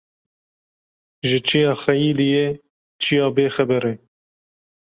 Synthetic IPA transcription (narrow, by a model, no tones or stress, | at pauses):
ʒɪt͡ʃʰijɑːxɛjiːlije | t͡ʃʰijɑːbeːxɛbɛɾeː